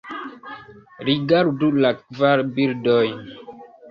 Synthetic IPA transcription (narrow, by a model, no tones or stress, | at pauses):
ɾiɡaɾudulakvaɾbiɾdɔj